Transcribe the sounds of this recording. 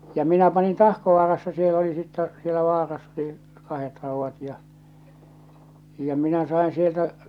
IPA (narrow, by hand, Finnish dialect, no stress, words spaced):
jɑ minæ pɑnin tɑhkoʋɑːrɑsːɑ siel oli sitːɛ sielæ ʋɑːrɑsː oli kɑhet rɑˑuʋːɑt jɑ jɑ minæ sɑin sieltæ